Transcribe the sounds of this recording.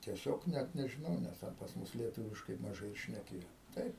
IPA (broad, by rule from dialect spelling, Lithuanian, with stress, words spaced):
tʲiɛˈsʲoːk ˈnʲæt nʲɛʒʲɪˈnɐʊ ˈnʲɛs ˈtʲɛn pɐs ˈmʊs lʲiɛˈtʊʋʲɪʃkɐɪ mɐˈʒɐɪ ɪr ʃʲnʲɛˈkʲeːjoː ˈtɐɪp